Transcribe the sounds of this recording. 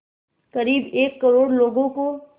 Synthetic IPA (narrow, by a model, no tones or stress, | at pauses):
kɐɾiːbeːkːɐɾoːɽloːɡõko